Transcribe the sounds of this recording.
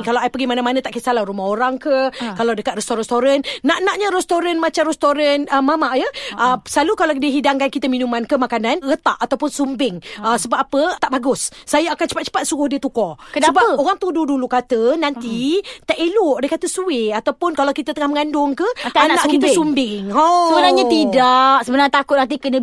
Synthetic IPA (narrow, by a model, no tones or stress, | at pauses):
kalawajpəɡimanamanə̃t̪aʔkisalahrumaɦoɾaŋkəkalawdəkat̪̚rɛst̪oɾɛst̪oɾənːaʔnaʔɲəɾɛst̪oɾənmat͡ʃamrɛst̪oɾənəmamaʔjəʔəslalukalawdiəɦidaŋkankit̪əminumankəmakananɣət̪aʔat̪awpʊnsumbɪŋəsəbap̚apət̪aʔbaɡʊsːajaːkant͡ʃəpat͡ʃə̥pat̪̚suɣʊhdiət̪ukɔkənəbaəoɣaŋt̪ududulukat̪ənant̪it̪aʔelʊʔdekat̪əsuɪat̪awpʊnkalawkit̪ət̪əŋahməŋandʊŋkəanaʔkit̪əsumbɪŋosəbənaɲat̪idaʔsəbənaɲat̪akʊt̪̚nant̪̬ikənə